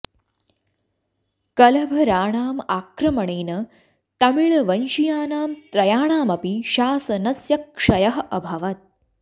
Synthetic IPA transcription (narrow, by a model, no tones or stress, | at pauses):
kɐlɐbʱɐɾaːɳaːmaːkɾɐmɐɳeːnɐ | t̪ɐmiɭɐʋɐnʃijaːnaːmt̪ɾɐjaːɳaːmɐpiʃaːsɐnɐsjɐk̚ʂɐjɐɦɐʔɐbʱɐʋɐt̪̚